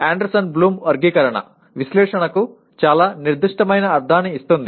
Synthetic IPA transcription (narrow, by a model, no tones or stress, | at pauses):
aːɳɖɐɾsɐnbluːmʋɐɾɡikɐɾɐɳɐ̰ | ʋislɛːʂɐɳɐku | t͡ʃaːlaːniɾd̪uʂʈɐmɐjnɐːɾd̪ʱaːniist̪und̪i